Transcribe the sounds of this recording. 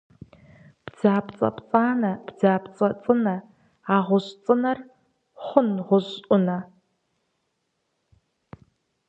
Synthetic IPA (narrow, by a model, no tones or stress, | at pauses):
b̥d͡zaːpʰt͡sʼɐ̰pt͡sʼaːnɐb̥d͡zaːpt͡sʼɐt͡sʼɨnɐ | aːʁʷʊɕt͡sʼɨnɐr | χʷʊnʁʷʊɕʔʷʼʊnɐ